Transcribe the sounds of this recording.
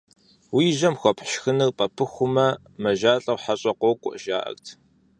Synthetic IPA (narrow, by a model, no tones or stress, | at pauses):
wiːʒɐmxʷɔpʰħʃxɨnɨrpʼɐpʰɨxʷʊmɐ | mɐʒaːɬʼɐwħaɕʼɐqʷɔwkʷʼʊ̰ʔʒa̰ːʔɐ̰rtʰ